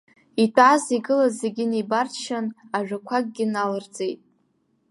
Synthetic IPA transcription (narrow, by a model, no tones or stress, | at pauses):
itʰʼaziɡɨlazeɡʲɪnejbarʃanaʒᶣakʷʰaɡ̚ɡʲɪnalɨrd͡ze̞jtʼ